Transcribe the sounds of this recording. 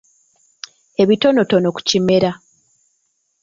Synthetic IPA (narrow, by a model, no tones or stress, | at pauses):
e̞βito̞no̞tono̞ku̥cime̞ɾa